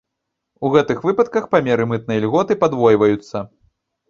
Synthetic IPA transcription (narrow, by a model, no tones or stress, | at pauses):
uɣɛt̪ɨxvɨpɐt̪̚kɐxpamʲɛɾɨmɨt̪̚nɐjɐlʲɣɔt̪ɨpad̪vɔjvɐjut̪sːɐ